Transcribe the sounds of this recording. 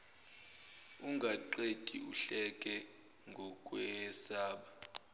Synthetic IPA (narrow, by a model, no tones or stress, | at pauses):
uŋɡʱaǃetʼiuɬɛkʼɛ | ŋɡʱɔkʼwɛsaːɓa